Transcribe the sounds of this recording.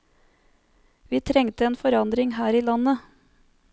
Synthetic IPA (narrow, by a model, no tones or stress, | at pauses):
ʋiːt̪ʰɾɛŋt̪əeːnfɔɾɑnd̪ɾɪŋhæːɾiːlɑnə